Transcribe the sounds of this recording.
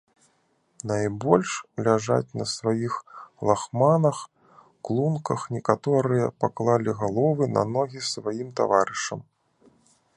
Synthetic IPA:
najbɔlʲʂlʲaʐa̰t͡sʲnɐsvajixlˠaxmanɐx | klˠunkɐxnʲɛkat̪ɔɾɨjɐpaklˠalʲiɣalˠɔvɨnɐ̰nɔɣʲisvajimt̪a̰vaɾɨʂɐ̰m

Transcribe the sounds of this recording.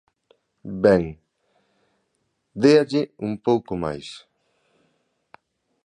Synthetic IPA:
bɛŋ | d̪eaʎɪumpowkoma̰js

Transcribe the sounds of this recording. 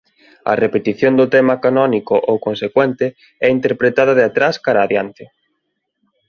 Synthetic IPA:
ɐ̰repet̪iθjond̪ʊt̪ɛmakanɔnikʊʔowkonsekwɛnt̪ɪ | ɛint̪eɾpɾet̪að̞ɐðeat̪ɾaskaɾaːðjant̪ɪ

